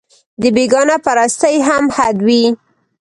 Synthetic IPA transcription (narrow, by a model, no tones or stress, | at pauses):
d̪əbeɡɑnapaɾast̪əjɦamhad̪wi